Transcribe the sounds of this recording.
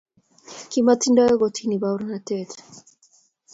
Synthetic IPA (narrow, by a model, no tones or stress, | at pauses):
kimat͡sindaeɣot̪ʰinibawɾnat̪et̪